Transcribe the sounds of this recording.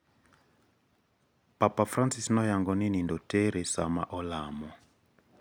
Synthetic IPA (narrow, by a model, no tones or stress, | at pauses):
papafɾansisnɔjaŋɡɔninindɔtɛɾɛsama̰ʔɔlamɔ